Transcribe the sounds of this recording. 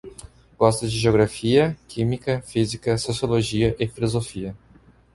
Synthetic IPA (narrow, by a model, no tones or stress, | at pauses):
ɡ̥ɔst̪ɐd͡ʒɪʒeoɡɾafiɐkʰĩmikɐfizikɐsosioloʒiɐʔɪfilozofiɐ